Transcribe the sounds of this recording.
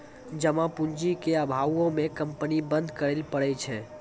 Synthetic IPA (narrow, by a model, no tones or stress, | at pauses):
d͡ʒəmãpuɲd͡ʒikeəbʱawõmẽkə̃mpənibə̃nd̪ʱkəɾelpəɽɛt͡ʃʰɛ